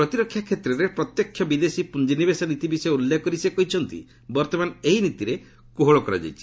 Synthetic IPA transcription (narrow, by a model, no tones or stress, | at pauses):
pɾɔt̪iɾɔkʰːjakʰet̪ɾɔɾepɾɔt̪jɔkʰːjɔbid̪esipund͡ʒinibesɔnit̪ibisɔjulːekɔɾisekɔɦit͡ʃʰɔnt̪ḭ | bɔɾt̪ɔmaneɦinit̪iɾe | koɦoɭɔkɔɾa̰d͡ʒa̰jt͡ʃʰi̥